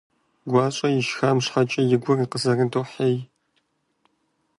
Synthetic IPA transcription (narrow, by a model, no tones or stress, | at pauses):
ɡʷɑːɕʼɐjɪʃxaːmɕħɐt͡ʃʼɐjɪɡʷɔriqəzɐrɨntʰoːħeːj